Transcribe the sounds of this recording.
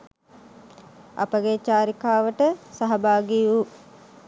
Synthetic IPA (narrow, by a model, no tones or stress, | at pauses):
ɐ̰pəɡet͡ʃaːɾikaːʋəʈəsaɦɐbaːɡiu